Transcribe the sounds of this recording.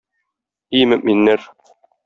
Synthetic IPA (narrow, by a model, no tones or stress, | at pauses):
imɘ̆mminːæɾ